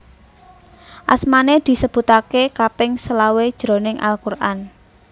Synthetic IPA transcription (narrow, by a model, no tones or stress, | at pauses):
ʔa̰smaned̪̥i̤səb̥ṳt̪akekapɪŋsəlawed̥ʒ̥ɾo̤nɪŋʔa̰lkurʔa̰n